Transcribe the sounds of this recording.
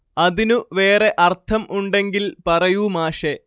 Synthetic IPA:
ɐðinuʋe̞ːre̞ʔɐrt̪ʰɐmʔuɳɖe̞ŋɡilpɐrɐjumaːʂe

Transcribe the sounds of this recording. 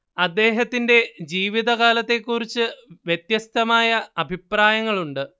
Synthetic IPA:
ɐd̪ːe̞ːɦɐt̪ːinde̞d͡ʑiːʋiðɐɣaːlɐt̪ːe̞kːurit͡ɕːɨʋjet̪jɐst̪ʰɐmaːjɐɐbʱipraːjɐŋːɐɭuɳɖɨ

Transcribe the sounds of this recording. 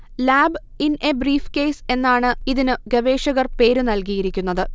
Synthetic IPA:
laːb | inʔebriːfke̞ːse̞nːaːɳɨiðinɨɡɐʋe̞ːʂɐɣɐrpe̞ːɾɨnɐlkijiɾikʲːunːɐðɨ

